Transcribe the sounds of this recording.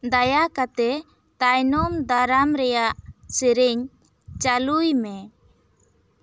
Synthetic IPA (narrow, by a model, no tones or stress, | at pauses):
d̪ajakat̪ɛ | t̪ajnɔmd̪aɾamɾɛjaʔsəɾɛɲ | t͡ʃalujmɛ